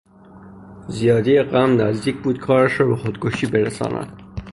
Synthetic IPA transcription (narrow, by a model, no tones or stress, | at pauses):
zijɒːd̪ieɢæmnæzd̪iːkʰbuːd̪̚kʰɒːɾæʃɾɒːbexod̪kʰoʃiːbeɾesɒ̰ːnæ̰d̪̥